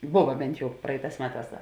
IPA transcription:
ˈbʊʋɐ ˈbʲɛnt ˈjɛʊ ˈprɐɪˌtɑːs ˈmʲæːˌtɑːs ˈdɐ

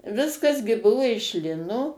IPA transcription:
ˈʋʲɪskɐs ɡʲɪ ˈbʊʋʊ ɪʃ ˈlʲɪnoː

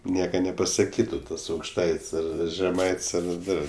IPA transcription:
ˈnʲiɛkɐ nʲɛpɐsɐˈkʲiːtʊ tɐs ɐʊkʃˈtɐɪtʲsʲ ˈɐr ʒʲɛˈmɐɪtʲsʲ ɐr ˈdɐr

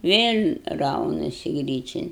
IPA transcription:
ˈʋʲeːlʲ ˈrɐʊnɐsʲɪ ˈɡrʲiːt͡ʃʲɛn

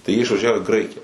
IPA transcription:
tɐɪ jiɛ ɪʃʋɐˈʒʲæːʋoː iː ˈɡrɐɪkʲɪjɛ

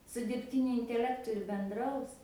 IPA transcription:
sʊ dʲɪrʲpʲˈtʲɪnʲʊ ɪnʲtʲɛˈlʲæːktʊ ɪr bʲɛnˈdrɐʊs

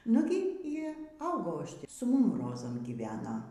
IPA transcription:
ˈnʊɡʲɪ iː ˈɐʊɡɐʊ ˈɐʃ ˈtʲiː sʊ ˈmʊm ˈroːzɐm ɡʲiːˈʋʲæːnɐ

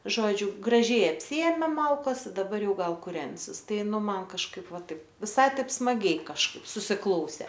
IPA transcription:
ˈʒoːd͡ʒʲʊ ɡrɐˈʒʲɛɪ ɐpʲˈsʲɪeːmʲeː ˈmɐlˠkɐs ɪ dɐˈbɐr ˈjɛʊ ˈɡɐlˠ kʊˈrʲɛnʲsʲɪs ˈtɐɪ ˈnʊ ˈmɐn kɐʃˈkɐɪp ˈʋɐ ˈtɐɪp ʋʲɪˈsɐɪ ˈtɐɪp smɐˈɡʲɛɪ kɐʃˈkɐɪp sʊsʲɪˈklˠɐʊsʲeː

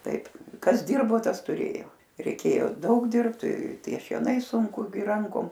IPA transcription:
ˈtɐɪp ˈkɐs ˈdʲɪrboː ˈtɐs tʊˈrʲeːjoː rʲɛɪˈkʲeːjoː ˈdɐʊk ˈdʲɪrpt ˈtʲiɛ ʃʲiɛˈnɐɪ sʊŋˈkʊ ɡʲɪ ˈrɐŋkoːm

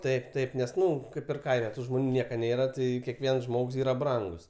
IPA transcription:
ˈtɐɪp ˈtɐɪp ˈnʲɛs ˈnʊ ˈkɐɪp ɪr ˈkɐɪmʲɛ ˈtuː ʒmoːˈnʲuː ˈnʲiɛkɐ ˈnʲeːrɐ ˈtɐɪ kʲɛˈkʋʲiɛns ˈʒmoːks ˈiːrɐ ˈbrɐŋɡʊs

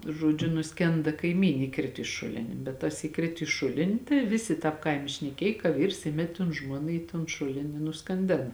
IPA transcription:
ʒoːˈd͡ʒʲʊ nʊsʲˈkʲɛndɐ kɐɪˈmʲiːnʲ ɪˈkrʲɪt ɪ ˈʃʊlʲɪnʲɪ bʲɛt tɐs iːˈkrʲɪt iː ˈʃʊlʲɪnʲɪ tɐɪ ˈʋʲɪsʲɪ ˈtɑːp ˈkɐɪmʲɛ ʃʲnʲɛˈkʲeːj kɐ ˈʋʲiːrs ˈɪmʲɛtʲ toːn ˈʒmuɔnɐ iː toːn ˈʃʊlʲɪn ɪ nʊskɐnʲˈdʲeːnɐ

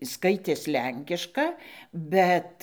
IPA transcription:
ˈskɐɪtʲeːs ˈlʲɛŋʲkʲɪʃkɐ ˈbʲɛt

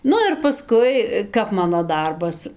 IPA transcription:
ˈnʊ ɪr pɐˈskʊɪ ˈkɐp ˈmɑːnoː ˈdɐrbɐs

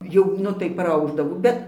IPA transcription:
ˈjɛʊ ˈnʊ tɐɪ prɐˈɐʊʒdɐʋoː ˈbʲɛt

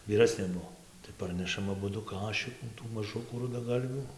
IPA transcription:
ʋʲiːˈrɑːsʲnʲeː ˈbuɔ tɐɪ ˈpɐrʲnʲɛʃɐm ɐˈbʊdʊ ˈkɑːʃʲɪkuː tuː mɐˈʒʊkuː rʊdɐˈɡɐlʲʋʲuː

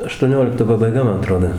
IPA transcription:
ɐʃtuɔˈnʲoːlʲɪktoː pɐbɐɪˈɡɐ ˈmɐn ɐˈtroːdoː

